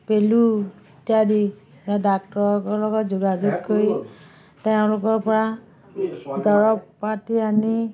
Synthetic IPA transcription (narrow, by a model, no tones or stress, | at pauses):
pelu | tijadi | jɔdak̚tɔɹɔkɔɹlɔɡɔtzuɡad͡ʒuɡkoɹi | teʊ̃lʊkɔɹpɔɹa | dɔɹɔppːatiani